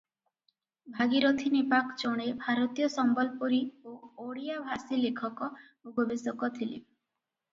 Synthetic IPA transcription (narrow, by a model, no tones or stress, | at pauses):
bʱaɡiɾot̪ʰinipakt͡ʃoɽ̃ebʱaɾɔt̪ijɔsɔmbɔlpoɾiooɽijabʱasilekʰɔkɔ | uɡɔbisɔkɔt̪ʰilḭ